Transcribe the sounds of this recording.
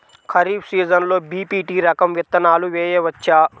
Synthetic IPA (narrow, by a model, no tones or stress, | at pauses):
kʰɐɾiːbsiːzɐnloːbiːpiːʈiːɾɐkɐmʋit̪ːɐnaːluʋeːjɐʋɐt͡ʃːaː